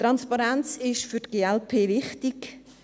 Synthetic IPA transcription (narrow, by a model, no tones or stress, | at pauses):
tɾɑnspɑɾɛnt͡sɪʃfytɡ̥eːɛlpʰeːvɪχtɪk